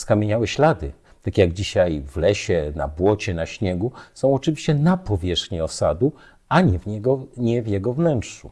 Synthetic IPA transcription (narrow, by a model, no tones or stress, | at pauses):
skamʲjeɲawɛɕlad̪ɘ̰ | t̪akʲjaɡd͡ʑiɕajvlɛɕɛna̰bwɔt͡ɕɛnaɕɲɛɡusɔ̃w̃ɔt͡ʂɨvʲiɕt͡ɕɛnapɔvʲjɛʂxɲiɔsa̰d̪u | aɲɛvɲɛɡɔɲɛvjɛɡɔvnɛntʂṵ